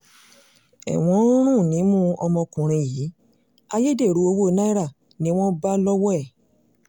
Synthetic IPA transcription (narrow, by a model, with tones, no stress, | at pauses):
ɛ̰˨w̃ɔ̃˨˧˦ɾ̃ũ˦˨nĩ˨˦mũ˦ɔ˧mɔ̃˧kũ˨ɾ̃ĩ˧jiː˨˦ | a˧je˦de˦˨ɾu˨˦o˧wo˦˨˦na˦i˦ɾa˦˨ | nĩ˦w̃ɔ̃˦ba˦lɔ˦wɔ˦ɛ˦˨